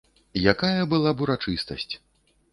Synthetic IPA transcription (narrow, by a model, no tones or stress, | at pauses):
jakajɐbɨlˠabuɾat͡ʂɨst̪ɐ̰sʲt͡sʲ